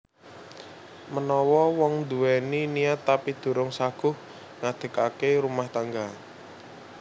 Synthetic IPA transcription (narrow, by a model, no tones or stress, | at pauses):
mənɔwɔwɔŋd̪uwɛniniat̪ːapid̪̥ṳɾʊŋsaɡ̥ʊ̤h | ŋad̪̥ə̤kakeɾumaht̪aŋɡa